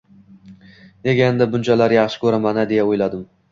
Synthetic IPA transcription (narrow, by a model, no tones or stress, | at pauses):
ne̞ɡʲaend̪abʊnt͡ʃʰalaɾjɑχʃɪ̥kʲʰɵɾamanad̪e̞jaojlad̪ɪm